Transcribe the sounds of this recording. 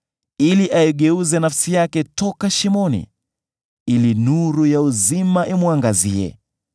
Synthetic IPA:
iliʔaiɠɛuzɛnafsijakɛtɔkaʃimɔnḭ | ilinuɾujauzimaʔimwaŋɡaziɛ̰

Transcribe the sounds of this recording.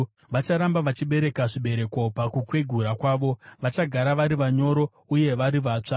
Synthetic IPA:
ʋat͡ʃaɾambaʋat͡ʃiɓe̞ɾe̞kaʐiɓe̞ɾe̞ko̞pakukwe̞ɡʱuɾakwaːʋo̞ʋat͡ʃaɡʱaɾaʋaɾiʋaɲo̞ɾo̞ | uje̞ʋaɾiʋaːt͡ʂa

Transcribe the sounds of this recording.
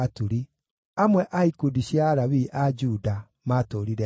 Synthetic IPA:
atuɾi | amwɛʔaikudiɕjaːɾaβiʔad͡ʒuda | matoːɾiɾɛ

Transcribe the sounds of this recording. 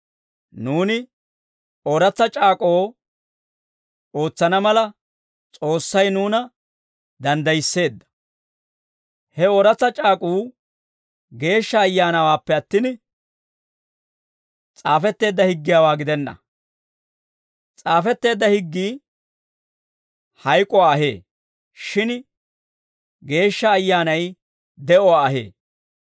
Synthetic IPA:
nuːnɪ | oɾɐt͡sːɐt͡ʃʼaːkʼo̞ː | o̞ːt͡sːɐnɐmɐlɐ | t͡sʼo̞ːsːɐjnuːnɐ | d̪ɐnd̪ɐjɪsːe̞ːd̪ːɐ̥ | hɛoɾɐt͡sːɐt͡ʃʼaːkʼuː | ɡe̞ːʃːɐːjːaːnɐwaːpːɛɐt̪ːɪn | t͡sʼaːfɛt̪ːe̞ːd̪ːɐhɪɡːɪjaːwaːɡɪd̪ɛnːɐ̰ | t͡sʼaːfɛt̪ːe̞ːd̪ːɐhɪɡːiː | hɐjkʼɔwaːɐɦḛː | ʃɪn | ɡe̞ːʃːɐːjːaːnɐj | d̪ɛʔɔwaːɐɦḛː

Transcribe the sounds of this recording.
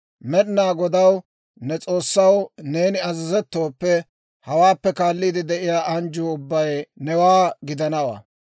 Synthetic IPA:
mɛɗnaːɡɔd̪ɐw | nɛt͡sʼo̞ːsːɐwne̞ːnɪɐzɪzɛt̪ːo̞ːpːɛ | hɐwaːpːɛkaːlːiːd̪ɪd̪ɛʔɪjaːʔɐnd͡ʒuːʊbːɐjnɛwaːɡɪd̪ɐnɐwɐ̰

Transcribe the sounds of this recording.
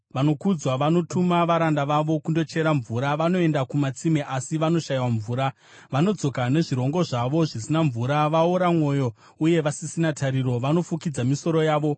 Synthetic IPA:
ʋano̞kud͡zwaʋano̞tʰumaʋaɾandaʋaʋo̞kundo̞t͡ʃe̞ɾaɱvuːɾaʋano̞e̞ndakumat͡simeʔasiʋano̞ʃajiwaɱvuːɾa | ʋano̞d͡zo̞kane̞ʐiɾo̞ŋɡo̞ʐaʋo̞ʐisinaɱvuɾaʋauɾamwo̞jo̞ | uje̞ʋasisinatʰaɾiɾo̞ʋano̞fukid͡zamiso̞ɾo̞jaːʋo̞

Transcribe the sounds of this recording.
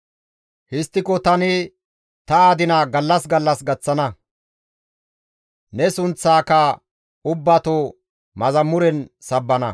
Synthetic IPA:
hɪst̪ːɪkɔt̪ɐnɪ | t̪ɐaːd̪ɪnɐɡɐlːɐsɡɐlːɐsɡɐt͡sːɐnɐ | nɛsʊnt͡sːaːkɐ | ʊbːɐt̪o | mɐzɐmːʊɾɛnsɐbːɐnɐ

